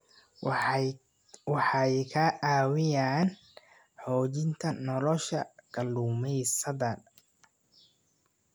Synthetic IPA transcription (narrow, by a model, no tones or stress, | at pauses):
wɑħɑjkʰɐʔaːwɪjaːn | ħɔːt͡ʃɪnt̪ʰɐnɔlɔʃɐ̰kʰɐluːmɛjsɐðɐ